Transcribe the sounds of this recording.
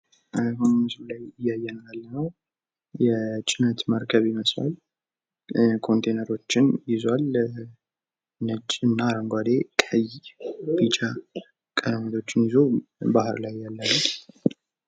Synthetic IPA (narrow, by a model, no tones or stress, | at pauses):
bəmmɨzblajɪjːajːɛnnalːənəw | jɛt͡ʃʼɪnət̪məɾkʰəβiməsʼwa̰l | kʰo̞nt̪ʰejnəɾo̞t͡ʃːɪnjɪzwal | nɨt͡ʃʼːɨnːaɾəŋɡʷad̪e̞kʼəjb̥it͡ʃʼa | kʼənəməd̪o̞t͡ʃːɪnjɪzobahɨ̰ɾlajːalːənəw